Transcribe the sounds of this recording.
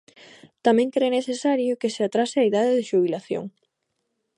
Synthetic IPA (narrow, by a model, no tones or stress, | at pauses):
t̪amɛ̃ŋkɾeneθesaɾjʊkɪseat̪ɾasɪaiðaðɪðɪʃuβ̞ilaθjo̰ŋ